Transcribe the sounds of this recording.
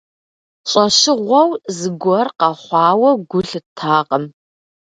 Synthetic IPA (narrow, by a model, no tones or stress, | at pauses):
ɕʼɐɕɪʁʷɔwzɨɡʷɔrqɑχʷɑːwɐɡʷʊɬɨtʰːaːqʼəm